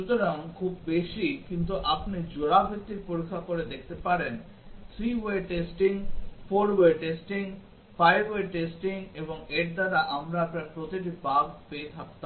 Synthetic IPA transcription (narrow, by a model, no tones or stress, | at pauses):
ʃut̪oɾaŋkʰubːeʃikint̪̬uʔapnid͡ʑoɽabʱek̚t̪iɾpoɾikʰːakoɾed̪ek̚ʰt̪epaɾen | t̪ʰɾiweʈesʈiŋfoɾweʈesʈiŋ | fajbweɾʈesʈiŋeboŋeɾd̪aɾaʔamɾaapnaɾpɾot̪iʈ̬ibaɡpeet̪ʰak̚t̪a